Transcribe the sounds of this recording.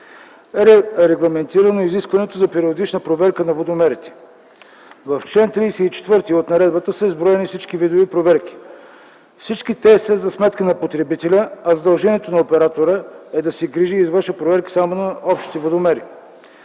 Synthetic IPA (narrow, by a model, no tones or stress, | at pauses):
ɛɾɛɾɛɡlˠɐmɛnt̪iɾənoiziskvɐnɛt̪ozɐpɛɾiod̪it͡ʃnəpɾovɛɾkənɐvod̪omɛɾit̪ɛ̥ | vɐft͡ʃlɛnt̪ɾiːsɛit͡ʃɛ̥t̪vɤɾt̪iot̪nɐɾɛd̪̚bət̪əsəizbɾɔɛnifsit͡ʃkivid̪ovipɾovɛɾk̟i̥ | fsit͡ʃkit̪ɛsəzɐsmɛt̪kənɐpot̪ɾɛbit̪ɛlʲəɐzɐd̪ɐlˠʒɛniɛt̪onɐopɛɾat̪oɾəɛd̪ɐsɛɡɾiʒiːzvəʃəpɾovɛɾki̥samonɐɔpʃt̪i̥t̪ivod̪omɛɾi